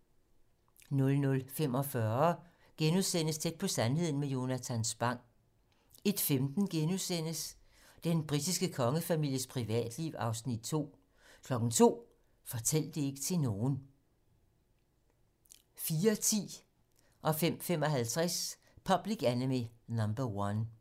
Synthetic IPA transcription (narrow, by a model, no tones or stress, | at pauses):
nɔ̽lnɔ̽lfem̰ɒ̽fɶɐɐ | ɡ̥enusen̰əst͡sʰed̥̚pʰɒ̽sænɦe̝ð̰ˠn̩mejo̝næt͡sʰænsb̥ɑ̈ŋ̰ | e̝d̥femd̥n̩ɡ̥enusen̰əs | d̥enb̥ʁid̥isɡ̥əkʰɒ̽ŋəfæmil̰jəspʰʁiʋɛ̰ːd̥liʊɑ̈ʊsnid̥̚t͡sʰo̝̰ː | kʰlɒ̽ɡ̥n̩t͡sʰo̝̰ː | fɒ̽t͡sʰel̰d̥e̝e̝ɡ̥ə̥t͡sʰe̝no̝ːn̩ | fiːɐt͡sʰḭː | ʔɒ̽fem̰femɒ̽ɦælt͡sʰʁas | pʰɒ̽b̥liɡ̥ænəminɒmb̥ɐwɒn